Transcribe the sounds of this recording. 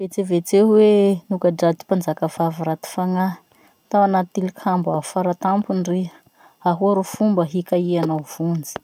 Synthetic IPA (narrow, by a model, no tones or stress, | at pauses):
v̥et͡sevet͡sewenukaɖ͡ʐad̪i̥pand͡zakəvaviɾat̪i̥faŋa | t̪awanat̪ilikʰambaɦufaɾat̪ampunri | aɦuaɾofumbəɦikaianav̥und͡zi̥